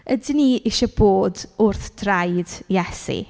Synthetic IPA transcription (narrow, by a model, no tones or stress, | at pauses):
ədɪniʔɪʃɔb̥oːdʊrθd̥rajd̥jɛsḭ